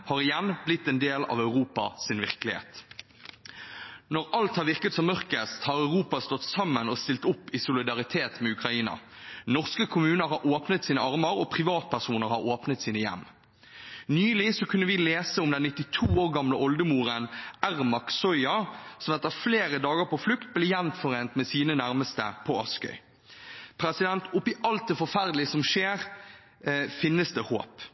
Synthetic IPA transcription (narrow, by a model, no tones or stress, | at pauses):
hɑːʁɪjɛnblɪt̪ːɛnd̪eːlɑ̰ʋœʉʁuːpɑ̰sɪnʋɪʁkəlɪhḛːt̪ | nɔʁɑlt̪hɑʁʋɪʁkət̪sɔmːœʁkəst̪hɑːʁœʉʁuːpɑst̪ɔt̪ːsɑmːənɔst̪ɪlt̪ʊpːɪsʊlɪd̪ɑʁɪt̪ʰeːt̪mɛʉkʁɑiːnɑ̰ | nɔʁskəkʰʊmʉːnəɾhɑʁoːpnət̪siːnəɑʁməɾɔpʰʁɪʋɑːt̪̚pʰæʁsuːnəʁhɑʁoːpnət̪siːnəjɛ̰mː | nyːlɪsɔkʰʉnːəʋɪleːsəʊmd̪ɛnːɪt̪ːɪt̪ʰuːoːʁɡɑmləʔɔld̪əmuːʁənæʁmɑksɔʏɑsɔmɛt̪ːəfleːɾəd̪ɑːɡəɾpɔflʉkt̪̚blɛːjɛmmt̪fɔʁeːnt̪mɛsiːnənæɾməst̪ə̰pʰɔɑskœ̰ʏ | pʰɾɛsɪd̪ɛnt̪ʊpːɪʔɑlt̪̚d̪ɛfɔʁfæʁd̪lɪəsɔmʃeːʁ | fɪnːəsd̪ɛho̰ːp